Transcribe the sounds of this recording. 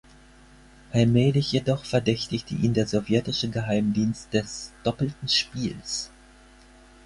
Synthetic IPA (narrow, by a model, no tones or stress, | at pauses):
ʔalmɛːlɪçjedɔχfɛɐdɛçtɪçtəʔḭːmdeːɐzovjɛtɪʃəɡəɦaɪmdiːnst̚d̥ɛsd̥ɔpl̩tn̩ʃpiːls